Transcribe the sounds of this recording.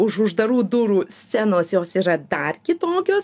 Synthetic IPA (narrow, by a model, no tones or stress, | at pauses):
ʊʃʊʒd̪ɐɾuːd̪uːɾuːsʲt͡sʲænoːsjoːsiːɾɐd̪ɐrkʲɪt̪oːkʲoːs